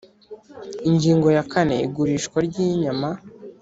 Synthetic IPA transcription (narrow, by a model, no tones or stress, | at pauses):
iɲɟiːŋɡo̞jakʰane̞̰ḭɡuɾiːʃkwaɾɟiɲama